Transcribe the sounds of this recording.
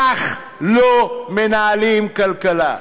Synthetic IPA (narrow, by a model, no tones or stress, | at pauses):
aχ | lomenaːlimkalkala̰